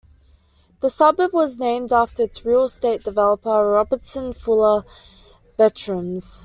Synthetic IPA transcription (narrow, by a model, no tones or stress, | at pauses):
ðəsʌbəbwɒznẽɪ̃mdæftəθɹiəsteɪt̚d̥ɪvɛlˠəpəɹɒbətsə̃nfʊlˠə | b̥ɛt͡ʃɹ̥ə̃mz̥